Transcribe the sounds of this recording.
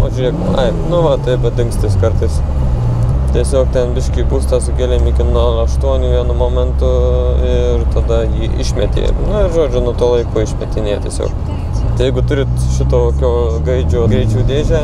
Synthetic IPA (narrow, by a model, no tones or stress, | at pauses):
o̰ːʒʲʊɾʲeːkʲɪmɐ̰ɪnʊʋɐt̪ɐɪpbʲɐt̪ɪŋksʲt̪ʲɪskɐrt̪ɐɪs | t̪ʲiɛsʲoːkt̪ʲɛnbʲɪʃʲkʲiːbuːst̪ɑsʊkʲeːlʲeːmɪkʲɪnuɔɐʃt̪uɔnʲuːʋʲiɛnʊmoːmʲɛnt̪ʊɪrt̪ɐd̪ɐjiːʔɪ̰ʃʲmʲɛt̪ʲḛmnʊɪʒoːd͡ʒʲʊnʊɔt̪uːlˠɐɪkoːɪʃʲmʲɛt̪ʲɪnʲeːt̪ʲiɛsʲo̰ːk | t̪ɐɪjɛɪɡʊt̪ʊɾʲɪt̪ʃʲɪt̪oːokʲoːɡɐɪd͡ʒʲoːɡɾʲɛɪt͡ʃʲuːd̪ʲeːʒʲæː